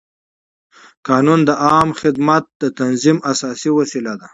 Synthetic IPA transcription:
kɑːnund̪əʔɑːmxɪd̪mat̪̚d̪ət̪anzimasɑːsiwasilad̪a

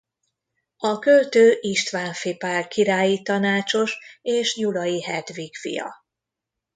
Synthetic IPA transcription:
ɒkølt̪øːʔiʃt̪ʋaːɱfipaːrkiɾaːjit̪ɒnaːt͡ʃo̞ʃeːʃjulɒjiɦɛd̪ʋikfḭjɒ̰

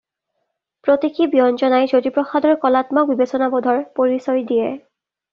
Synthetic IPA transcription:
pɹotikibiɔnzɔnajzodipɹɔxadɔɹkɔlatmɔk̚bibesɔnabɔdʱɔɹpoɹisɔjdijɛ

